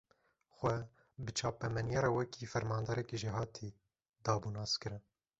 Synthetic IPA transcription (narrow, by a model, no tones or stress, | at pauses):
xʷɛ | bɨt͡ʃʰɑːpɛmɛnjɛɾɛwɛkʰifɛɾmɑːnd̪ɑɾɛkiʒiɦɑːt̪ʰi | d̪ɑːbunɑːskɨɾɨn